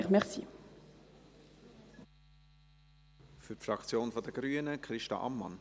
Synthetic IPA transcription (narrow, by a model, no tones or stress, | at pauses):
χmɛχsḭ | fyrtfɾɑkt͡sjoːnfɔdəɡ̥ɾyːənəkʰɾɪʃtɑ̰ʔɑ̰mːɑ̰n